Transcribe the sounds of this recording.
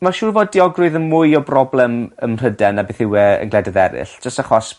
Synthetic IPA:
maʃuːrvoːdiɔɡrʊɨðənmʊɨɔbrɔblɛməmr̥ədɛnabθɪwɛə̰nɡlɛdaðɛɾɪ̰ɬd͡ʒəstaχɔs

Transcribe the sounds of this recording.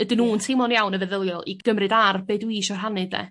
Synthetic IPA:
ədɪnuːntʰejmɔnjawnəvɛðəlˠjɔlˠiɡ̥əmrɨdarbeːdwiʃɔr̥ɦanɨdɛ̰

